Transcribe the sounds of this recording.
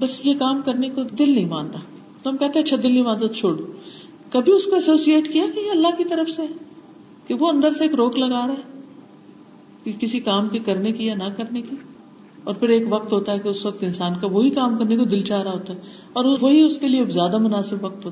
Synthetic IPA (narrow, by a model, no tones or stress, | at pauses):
bɐsjekaːmkɐɾnekod̪ɪlnɐɦĩmaːnɾaɦ | t̪oɦɐmkɛɦt̪ẽẽɐtːʃʰad̪ɪlnɐɦĩmãːnd̪at̪ot͡ʃʰoːɽo | kɐbʱiʊskoɛsoːsieːʈkijaɡɐjeɐlːaɦkit̪ɐɾəfseɦɛ | keʋoɐ̃nd̪əɾseeːkɾoːklɐɡaːɾɦɛ | kekɪsikaːmkekɐɾnekijanɐkɐɾneki | ɔːɾpʰɪɾeːkʋɐk̚t̪ɦoːt̪aɦɛkeʊsʋɐk̚t̪ɪnsaːnkaʋoɦikaːmkɐɾnekod̪ɪlt͡ʃaːɾaɦoːt̪aɦɛ | ɔːɾʋoɦiʊskeliezjaːd̪amʊnaːsɪbʋɐk̚t̪ɦoːt̪a